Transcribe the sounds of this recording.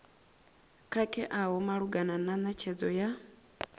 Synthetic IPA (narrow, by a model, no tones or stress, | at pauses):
kʰakʰʼɛʔaɦɔmaɺuɡanananat͡ʃʰɛd͡zɔja